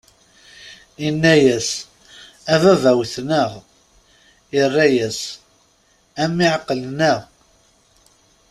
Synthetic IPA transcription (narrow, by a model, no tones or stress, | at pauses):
inːæjæs | ævævæwθnəʁ | irˤːæjæs | æmiʕqːəlnəʁ